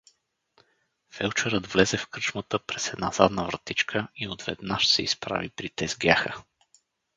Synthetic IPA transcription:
fɛlˠt͡ʃɛɾəd̪vlɛzɛfkɤt͡ʃmət̪əpɾɛsɛd̪naza̰d̪nəvɾt̪it͡ʃkʰəiod̪vɛ̰d̪naʃsɛispɾa̰vipɾit̪ɛzɡʲaxə

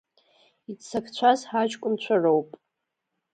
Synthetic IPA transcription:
it͡sʰakʰt͡ɕʷʰazħat͡ʃʼkʷʼʊmt͡ɕʷʰarowpʼ

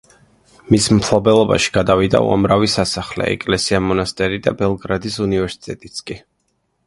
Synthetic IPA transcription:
mismpʰlˠɔbɛlˠɔba̰ʃi̥ɡ̥ad̪avid̪a̰ṵa̰mɾavisasaχlɛ̰ɛ̰kʼlɛsiamɔnast̪ʼɛɾid̪a̰bɛlˠɡɾad̪isunivɛɾsi̥t̪ʼɛt̪ʼit̪sʰkʼi

